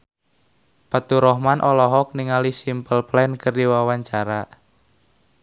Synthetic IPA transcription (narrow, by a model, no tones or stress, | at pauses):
pat̪uɾɔhmanʔɔlɔɦɔk̚niŋalisimpəlplankərdiwawaɲt͡ʃaɾa